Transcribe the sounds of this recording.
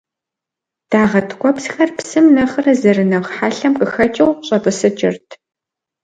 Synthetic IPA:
d̥aːʁɐtʰkʷʰʼɔpsxɐrpsɨmnɐχrɐzɐrɨnɐʁħaɬɐmqʼəxɐt͡ʃʼɪwɕʼɐtʼɨsɨt͡ʃʼɪ̰rtʰ

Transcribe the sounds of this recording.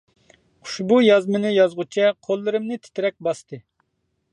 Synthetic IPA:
qʰʊ̥ʃbujɑzmɨnɨjɑzʁʊt͡ʃʰɛqʰolˠːɨɾɨmnɨt̪ʰɪ̥t̪ʰɪɾɛk̚ʲbɑst̪ʰɨ

